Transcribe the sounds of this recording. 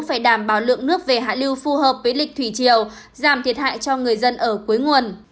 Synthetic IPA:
ŋ͡mfaː˧˩jɗaː˧˩mɓaː˧˩wlɨ̰˧˨əŋnɨ˦˥ək̚ve˨˩ɦa̰ː˧˨li˧wfu˧ɦəː˨˩p̚vəː˨˦jlï˨˩k̟̚t̪ʰwi˧˩t͡ɕi˨˩əw | zaː˧˩mt̪ʰi˨˩ət̚ɦa̰ː˧˨jt͡ɕɔ˧ŋɨ˨˩əjzə˧nʔəː˧˩ku˨˦əjŋu˨˩ən

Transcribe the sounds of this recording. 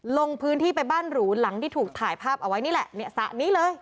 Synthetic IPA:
lo˧ŋpʰɯː˦˥nt̪ʰiː˥˩pa˧jbaː˥˩nɾuː˩˦˥la˩˦ŋt̪ʰiː˥˩t̪ʰuː˨˩k̚t̪ʰaː˨˩jpʰaː˥˩p̚ʔa˧wa˦˥jniː˥˩lɛ˨˩ʔni˥˩əsa̰˨˩ʔniː˦˥lɤː˧j

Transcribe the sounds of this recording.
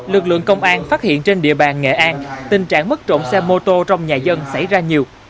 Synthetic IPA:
lɨ˨˩k̚lɨ̰˧˨əŋkə˧wŋ͡mʔaː˧nfaː˦˥t̚hḭ˧˨ənt͡ɕe˧nɗḭ˧˨əɓaː˨˩nŋḛ˧˨ʔaː˧nt̪ï˨˩ŋ̟t͡ɕa̰ː˧˨ŋmə˦˥k̚t͡ɕo̰˧˨nsɛ˧mːo˧t̪o˧t͡ɕɔ˧wŋ͡mɲaː˨˩zə˧nsa̰˧˩jzaː˧ɲi˨˩əw

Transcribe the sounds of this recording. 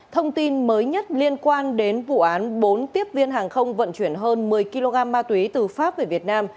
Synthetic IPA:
t̪ʰə˧wŋ͡mt̪i˧nməː˨˦jɲə˦˥t̚li˧ənkwaː˧nɗe˨˦nvṵ˧˨ʔaː˨˦nɓo˨˦nt̪i˦˥əp̚vi˧ənɦaː˨˩ŋxə˧wŋ͡mvə̰˧˨nt͡ɕwi˧˩ənɦəː˧nmɨ˨˩əjki˧lo˧ɣaː˧mːaː˧t̪wi˨˦t̪ɨ˨˩faː˦˥p̚ve˧˩vi˨˩ət̚naː˧m

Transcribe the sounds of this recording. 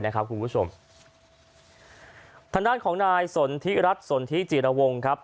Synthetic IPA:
jna˦˥kʰa˦˥pkʰu˧npu˦˥t͡ɕʰo˧m | t̪ʰa˧ŋdaː˥˩nkʰɔː˩˦ŋnaː˧jso˩˦nt̪ʰi˦˥ɾa˦˥t̪̚so˩˦nt̪ʰi˦˥˩t͡ɕiː˨˩ɾa˧wo˧ŋkʰa˦˥p̚

